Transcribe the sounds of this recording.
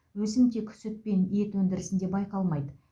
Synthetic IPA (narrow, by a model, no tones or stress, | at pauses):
wɵsɪmt̪ekʲʰʏ̥sʏt̪̚pe̞nje̞t̪wɵnd̪ɪɾɪsɪnd̪e̞bɑjqɑlˠmɑjd̪ə